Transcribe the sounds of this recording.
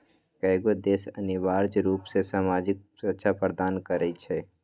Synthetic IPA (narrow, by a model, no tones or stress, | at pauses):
kɛɪɡod̪eːsənɪʋaːɾd͡ʒɾuːpsesaːmaːd͡ʒɪk̚sətːʃʰapɾəd̪aːnkəɾəit͡ʃʰɛː